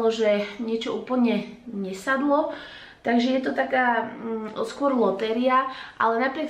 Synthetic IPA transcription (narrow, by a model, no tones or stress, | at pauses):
ɔʒɛɲɪɛt͡ʃɔuːpl̩ɲɛɲɛsad̪lɔ | t̪aɡʒɛjɛt̪ɔt̪akaː | skʊɔɾlɔt̪ɛɾɪaʔalɛnapɾɪɛk